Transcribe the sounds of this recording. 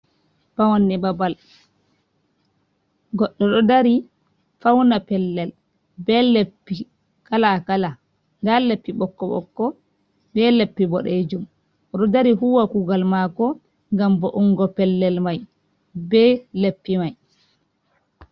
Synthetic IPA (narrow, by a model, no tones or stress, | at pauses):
b̥awanːibabal | ɡɔɗːɔɗɔdaɾi | fawnapɛlːɛl | bɛlepːi | kalakala | ndalepːiɓɔkːɔɓɔ̰kːɔ | bɛlepːibɔ̰ɗed͡ʒum | ɔɗɔdaɾiɦuwakuːɡalmakɔ | ŋɡambɔʔuŋɡɔpɛlːɛlmaj | bɛlepːimaj